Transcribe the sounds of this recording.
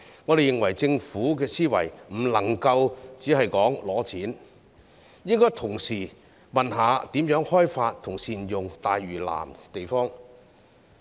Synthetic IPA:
ŋɔː˨˧d̪e˨jɪ˨ŋwɐ˨˩jt͡sɪ˧ŋfuː˨˥k̬ɛː˧siː˥wɐ̰˨˩jm̩˨˩lɐ˨˩ŋkɐ˧wt͡siː˨˥ɦɐ˨jkɔː˨˥ŋlɔː˨˧˥t͡sʰiː˨˥n | jɪ˥ŋkɔː˥jt̪ʰʊ˨˩ŋsiː˨˩ | mɐ˨nɦaː˨˥t̪iː˨˥mjœː˨˥ŋhɔː˥jfaː˧t̚t̪ʰʊ˨˩ŋsiː˨˩njʊ˨ŋt̪aː˨jɥyː˨˩la̰ː˨˩mt̪e˨jfɔː˥ŋ

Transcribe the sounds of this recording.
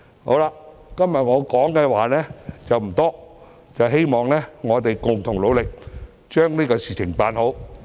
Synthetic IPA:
ho˨˥wlaː˧kɐ˥mjɐ˨t̚ŋɔː˨˧kɔː˨˥ŋkɛː˧waː˨˩nɛː˥t͡sɐ˨˩wm̩˨˩t̪ɔː˥ | t͡sɐ˨wɦe˥jmɔː˨ŋlɛː˥ŋɔː˨˧t̪e˨jkʊ˨ŋt̪ʰʊ˨˩ŋlo˨˧wlɪ˨k̚ | t͡ʃœː˥ŋniː˥kɔː˧siː˨˩t͡ʃʰɪ˨˩ŋpaː˨˧nɦo˨˥w

